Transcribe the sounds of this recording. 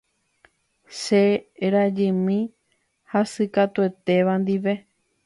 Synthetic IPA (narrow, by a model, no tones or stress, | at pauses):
ʃeɾad͡ʒɨ̃mĩ | hasɨkat̪ue̞t̪e̞ʋand̪iʋe̞